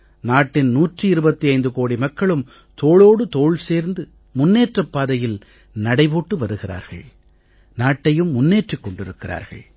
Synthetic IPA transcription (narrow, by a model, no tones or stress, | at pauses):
naːʈːɪnnuːʈrɯɪɾɯbɐt̪ːiɐɪnd̪ɯkoːɽimɐkːɐɭɯm | t̪oːɭoːɽɯt̪oːɭseːɾnd̪ɯ | mʊnːeːʈrɐpːaːðɐjɪl | nɐɽɐɪpoːʈːɯʋɐɾɯɣɪra̰ːɾɣɐ̰ɭ | naːʈːɐjɯmːʊnːeːʈrikːɔɳɖɪɾɯkːɪra̰ːɾɣɐ̰ɭ